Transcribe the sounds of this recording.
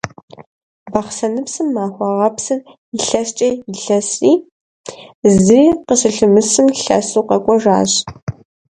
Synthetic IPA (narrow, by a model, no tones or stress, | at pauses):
bɐχsɐnɨpsɨmːaːxʷɑʁɐpsɨr | ɪɬɐst͡ʃʼɐjɪɬɐsiː | zɨiːqəɕɨɬɨmɨsɨmɬɐ̰suːqɐkʷʼɔʒa̰ːɕ